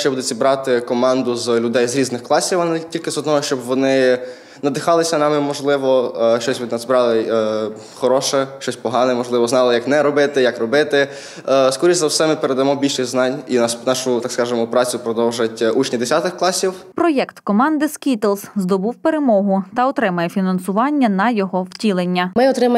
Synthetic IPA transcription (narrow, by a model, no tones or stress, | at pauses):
t͡ʃɛbud̪ʊt͡sʲibɾɑt̪ɪkɔmɑnd̪ʊzlʲʊd̪ɛjzɾʲiznɪxklˠɑsʲiwɐnɪtʲilʲkɪzɔd̪nɔɦɔʃt͡ʃɔbʋɔnɪ | nɐd̪ɪxɑlˠɪsʲɐnɑmɪmɔʒlˠɪʋɔʃt͡ʃɔsʲʋɪnɑzbɾɑlˠɪ | xɔɾɔʃɛʃt͡ʃɔsʲpɔɦɑnɛmɔʒlˠɪʋɔznɑlˠɪjɐknɛɾɔbɪt̪ɪjakrɔbɪt̪ɪ | skɔɾʲizɐwsɛmɪpeɾed̪ɐmɔbʲilʲʃɪɣʲznɑnʲinɑsnɑʃʊt̪ɑkskɑʒɪmɔpɾɑt͡sʲʊpɾɔd̪ɔwʒɐtʲut͡ʃnʲid̪esʲat̪ɪxklˠɑsʲiwpɾɔjɛkt̪kɔmɑnd̪ɪskʲit̪elˠszd̪ɔbuwpeɾemɔɦʊt̪ɐɔt̪ɾɪmɐjɛfʲinɐnsʊʋɑnʲːɐnɐjɔɦɔwtʲilˠenʲːɐmɪɔt̪ɾɪmɐ